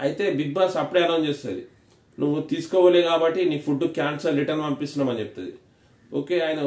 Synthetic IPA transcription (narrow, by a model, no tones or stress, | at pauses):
ɐjit̪e̞ːbid̪̚baːsɐpːuɽɛːnɐmt͡ʃeːst̪ɐ̰ːd̪ḭ | nuʋːut̪iːsu̥kɔːʋaːleːkaːbɐʈːiniːpʰuɖːukjaːnsɐɾɾiʈɐɾnɐmpisinaːmɐnt͡ʃep̚t̪ud̪i | oːke̞ːaːjinɐ